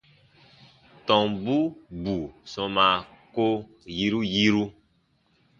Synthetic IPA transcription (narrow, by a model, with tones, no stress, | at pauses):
tɔ̃˨ŋbu˦bu˨sɔ̃˧˦ma˨ko˦ | ji˦ɾu˦ji˦ɾu˦